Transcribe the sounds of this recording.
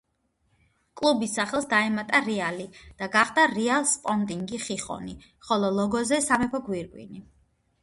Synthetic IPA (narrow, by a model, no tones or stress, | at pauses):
kʼlˠubisːaχɛlˠsd̪aɛmat̪ʼaɾialid̪̥aɡaχd̪aɾialˠspʼɔnt̪ʼiŋɡiχiχʼɔ̰ni | χɔlˠɔlˠɔɡɔzɛsamɛpʰɔɡwiɾkʼwḭni